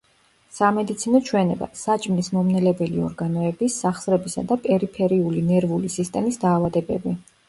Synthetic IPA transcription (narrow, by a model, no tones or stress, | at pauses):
samɛd̪it̪sʰinɔt͡ʃʰwɛnɛba̰sat͡ʃʼmlismɔmnɛlɛbɛliɔ̰ɾɡanɔɛbisːaχsɾɛbisa̰d̪apʼɛɾipʰɛɾiulinɛɾvulisist̪ʼɛmisd̪aːvad̪ɛbɛbi